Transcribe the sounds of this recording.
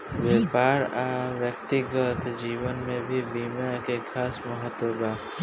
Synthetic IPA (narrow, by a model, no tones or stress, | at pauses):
ʋeːpaːɾaʋjəkt̪ɪɡət̪d͡ʒiːʋənmẽbʱibiːmakekʰaːsmɐɦət̪wəbaː